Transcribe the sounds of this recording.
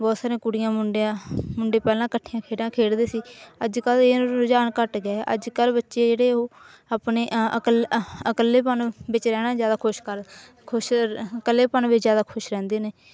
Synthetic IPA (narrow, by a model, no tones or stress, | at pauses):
bɔːt̪saːɾẽːkʊɽɪjãːmʊɳɖãːmʊɳɖeːpɛːlãːkəʈʰːiːjãːkʰeːɽãːkʰeːɽd̪eːsiːəd͡ʒkəleːd͡ʒaːnkəʈɡaːʔə̰d͡ʒkəlbətːʃeːd͡ʒeːɽeːoː | aːpneːəkələkəlːeːpənbɪt͡ʃɾɛːnaːd͡ʒjaːd̪aːkʰʊʃkəɾ | kʰʊʃkəlːeːpənʋɪt͡ʃzjaːd̪aːkʰʊʃɾɛ̃ːnd̪eːneː